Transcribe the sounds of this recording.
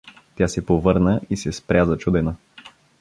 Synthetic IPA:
t̪ʲjasɛpovɤɾnəisɛspɾʲjazɐt͡ʃud̪ɛnə

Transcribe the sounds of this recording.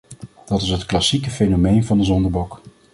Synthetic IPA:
d̥ɑtɪsɦətklɑsikəfejnomejnvɑndəzɔndəɹbɔk

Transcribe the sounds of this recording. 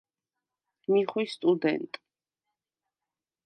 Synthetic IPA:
miχwist̪ʼud̪ɛ̰nt̪ʼ

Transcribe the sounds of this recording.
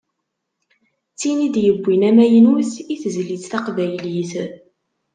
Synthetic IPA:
t͡sːinid̪jəbʷːinæmæjənuθiθzlit͡sθɑqvæjliθ

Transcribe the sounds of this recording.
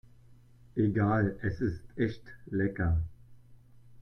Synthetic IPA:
ʔeɡaːlɛsɪstɛçtlɛkɐ

